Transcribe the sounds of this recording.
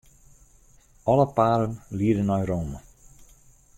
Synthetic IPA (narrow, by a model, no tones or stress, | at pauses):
ʔɔləpaːɾənliədənɔjroːmə